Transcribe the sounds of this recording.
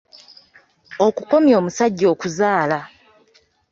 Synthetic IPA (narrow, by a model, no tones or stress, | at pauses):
o̞kuko̞mjo̞ːmusaɟːo̞ːkuzaːla